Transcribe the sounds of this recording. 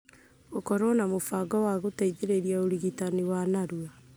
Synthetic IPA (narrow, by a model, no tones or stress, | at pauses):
okɔɾɔnamofaɡɔwaɣotaiðeɾeɾiaoɾiɣitaniwanaɾua